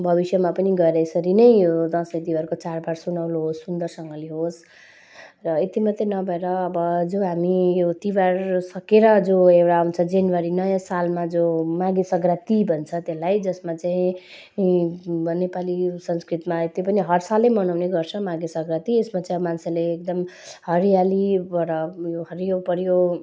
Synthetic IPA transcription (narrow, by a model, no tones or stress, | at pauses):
bʱʌbisjʌmapʌniɡʌeɾʌesʌɾinʌjjod̪ʌ̃sʌjt̪iwarkot͡sarbaɾsunawloɦosːund̪ʌrsʌŋɡʌliɦos | rʌet̪imʌt̪enʌbʱʌeɾʌːbʌd͡zoɦamijot̪iwarsʌkeɾʌd͡zoewɽaũnt͡sʰʌd͡zenwaɾinʌjasalmad͡zomaɡesʌɡrat̪ibʱʌnt͡sʰʌt̪elajd͡zʌsmat͡saĩ | nepalisʌnskrit̪maet̪ipʌniɦʌrsalːemʌnawneɡʌrt͡sʰʌ̃maɡesʌɡrat̪iesmat͡saĩmanseleekd̪ʌm | hʌɾijalibʌɾʌjoɦʌɾijopʌɾjo